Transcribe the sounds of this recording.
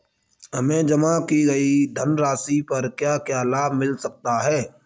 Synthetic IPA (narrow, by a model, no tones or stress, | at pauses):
ɦɐmẽd͡ʒɐmakiɡɐid̪ʱənɾaːsipɐɾkjaːkjaːlaːbmɪlsək̚t̪aɦɛː